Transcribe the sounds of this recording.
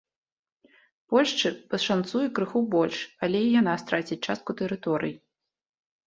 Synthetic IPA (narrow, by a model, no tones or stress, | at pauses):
pɔlʲʂt͡ʂɨpɐʂant̪sujɛkɾɨxubɔlʲʂalʲɛijan̪ast̪ɾat͡sʲit͡ʂast̪̚kut̪ɛɾɨt̪ɔɾɨ̰ji